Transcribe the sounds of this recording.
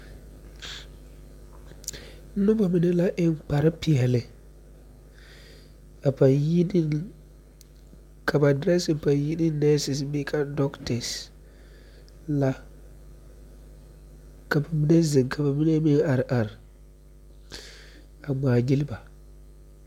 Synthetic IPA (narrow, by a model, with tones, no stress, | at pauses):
n̩˦nʊ˦ba˨mɪ˨˦ne˦la˦ʔɪ˦ŋ˨k͡pa˨ɾɪ˦pɪ˨ɛ˨lɪ˨ | a˨pa˨nji˦ni˦ | kʰa˨ba˨dɾɛ˦sɪ˨m˨pa˨nji˦nɪ˦nɛ˦sɪ˨sbi˦kʰa˦dɔ˦ktɛ˨s | la˦ | ka˨ba˨mɪ˦ne˦zɪ˨ŋkʰa˨ba˨mi˦ne˦mi˦na˨ɾɪ˨ʔa˨ɾɪ˨ | a˨ɡ͡baː˨ɲi˦lɪ˦ba˨